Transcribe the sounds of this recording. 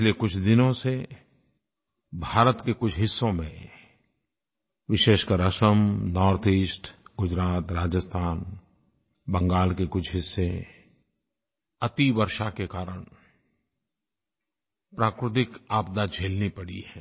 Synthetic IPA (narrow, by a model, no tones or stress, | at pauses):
ɪlekʊt͡ʃʰd̪ɪnõse | bʱaːɾət̪kekʊt͡ʃʰɦɪsːõmẽ | ʋɪʃeːʃkəɾəʃəmnɔːɾt̪ʰiːsʈɡʊd͡ʒɾaːt̪ɾaːd͡ʒəst̪ʰaːn | bə̃ŋɡaːlkekʊt͡ʃʰɦɪsːe | ɐt̪iʋəɾʃakekaːɾəɽ̃ | pɾaːkɾɪt̪̬ɪkaːp̚d̪ad͡ʒʱeːlnipɐɽiɦɛː